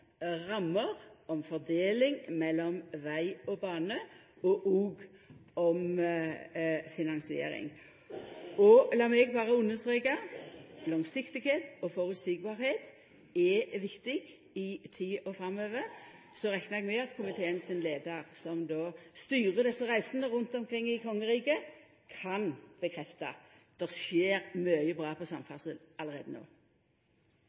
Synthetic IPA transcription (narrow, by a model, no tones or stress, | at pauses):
ʁɑmːəʁɔmfɔʁd̪eːlɪŋmɛlːɔmʋæɪɔbɑːnə | ɔʔuːɡɔm | fɪnɑŋsɪḛːɾɪ̰ŋ | ɔlɑːmɛɡbɑːʁəʉnːəst̪ʁeːkɑlɑŋsɪkt̪ɪɡheːt̪ɔfɔɾʉt̪sik̚bɑːɾheːt̪ | ɛʋɪkt̪ɪɡ | ɪt̪ʰiːɔfɾɑmːøːʋə | sɔʁɛknəʁɛɡmɛɑt̪kʰʊmɪt̪ʰeːənsɪnleːd̪əʁsɔmd̪oːst̪yːʁəd̪ɛsːəʁæɪsnəʁʊnt̪ɔmkʰʁɪŋːɪkʰɔŋːəʁiːkə | kʰɑnb̥əkʰʁɛft̪ɑ̰ | d̪̥ɛʁʃjeːʁmœʏəbʁɑːpʰɔsɑmfɑʁsəlɑləʁḛːd̪əno̰ː